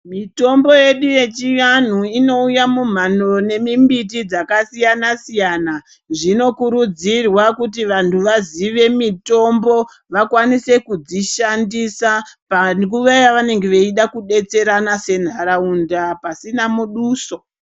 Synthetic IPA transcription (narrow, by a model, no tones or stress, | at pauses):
mito̞mbo̞je̞ɗuje̞t͡ʃijan̤uino̞ujamum̤ano̞ne̞mimbitid͡zakasijanasijana | ʐino̞kuɾud͡zirwakutiʋantʰuʋaziʋe̞mito̞mbo̞ | ʋakwanise̞kud͡ziʃandisapank̬uʋajaʋane̞ŋɡeʋeiɗakuɗe̞t͡se̞ɾanase̞n̤aɾaundapasinamuɗuːso̞